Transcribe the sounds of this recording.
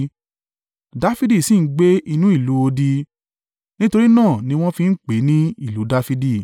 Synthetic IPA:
da˨˦fi˦di˦˨si˦˨n̩˦ɡ͡be˦i˧nũ˦i˦˨lu˨˦o˧di˧ | nĩ˦to˧ɾi˦nãː˦˨nĩ˧w̃ɔ̃˦fĩ˧n̩˦k͡pe˨˦nĩ˦i˦˨lu˨˦da˧fi˧di˦˨

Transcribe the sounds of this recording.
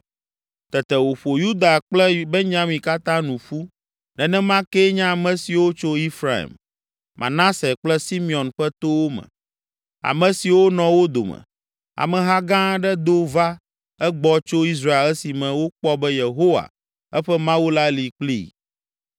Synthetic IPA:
t̪ɛ˨t̪ɛ˨wo˨ɸo˨ju˦d̪a˨k͡plɛ˦be˦ɲã˦mĩ˨ka˦t̪ã˦nũ˨ɸu˦ | nɛ̃˨nɛ̃˦mã˦kɛ˦ɲã˦˨mɛ̃˨si˨wo˦t͡ʃo˦i˦fɾa˦˨ḭ˨m | mʔã̰˨nã˦sɛ˨k͡plɛ˦si˦mĩ˨ɔ̃˨nɸɛ˦t̪o˦wo˦mɛ̰̃˨ | a̰˨mɛ̃˨si˨wo˦nɔ̃˨wo˦d̪o̰˨mɛ̰˨ | a̰˨mɛ̃˨ɦa˦ɡã˦ɖɛ˦d̪o˦va˦ | ɛ˦ɡ͡bɔ˦t͡ʃo˦i˦s̬ɾa˦e˨lɛ˦si˨mɛ̃˨wo˦k͡pɔ˦bɛ˦je˨ɦo˦wa̰˨ | ɛ˦ɸɛ˦mã˦wu˦la˦li˨k͡plḭ˦˨

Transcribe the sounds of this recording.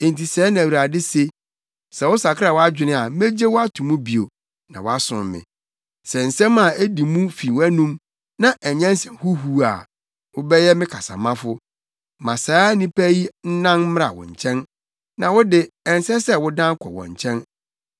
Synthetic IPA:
ẽ˨n˨ti˨sɛː˨˦nã˨æ˨wɾa˨dɪ˦se˦ | sɛ˨wʊ˦sa˨kʰɪ˦ɾa˦˨wɔ˦a˦d͡ʑᶣɪ˨nɪ̃˦a˨˦me˦d͡ʑe˦wʊ˦a˦tʰũ˨mũ˦bi˨o˨ | nã̰˨wɔ˨˦a˦sʊ̰̃˨mmɪ̰̃˨ | sɛ˨n̩˨sɛ̃˦mã˨e˦di˨mũ˦fi˨wæ˦nũ˦m | nã˦ʔɛ˨ɲɛ̃˦n˦sɛ̃˨mhu˦ɦu˦a̰˨ | wʊ˦bɛ˦jɛ˦mɪ̃˦kʰa˨sa̰˨mã˦fʊ˦ | mã˨saː˨˦nĩ˦pʰæ˦ji˦n̩˦nã˦n˦m˦a̰˨wɔ̰̃˨ɲ˨t͡ɕʰɛ̃˦n | nã˨wʊ˦dɪ˦ɛ˨n˨sɛ˦sɛ˦wʊ˦dã˦ŋ˦kʰɔ̰˨wɔ̰̃˨ɲ˨t͡ɕʰɛ̃˦n

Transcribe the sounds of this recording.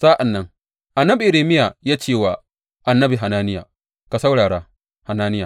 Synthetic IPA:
saː˦ʔa˨nːɐ˦ŋ | ʔa˨nːɐ˦bi˨ʔɪ˨ɾeː˨mɪ˦ja˨jaː˦t͡ʃeː˦˨waː˨ | ʔa˨nːɐ˦bi˨ɦa˨naː˦nɪ˦ja˨ | ka˨sa˦wɽaː˨ɽaː˦ | ha˨naː˦nɪ˦ja˨

